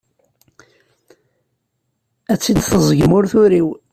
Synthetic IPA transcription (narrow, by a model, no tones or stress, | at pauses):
æt͡sːid̪θəzˤəɡmʊɾθʊɾiw